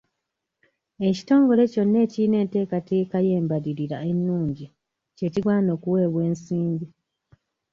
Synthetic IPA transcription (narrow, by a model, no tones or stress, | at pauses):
e̞ci̥to̞ːŋɡo̞le̞co̞nːe̞ːciine̞ːnte̞ːkatekaje̞ːmbaðiɾiɾaenːuːɲɟi | ce̞ciɡwaːno̞ːkuwe̞ːβwe̞ːnsiːɲɟi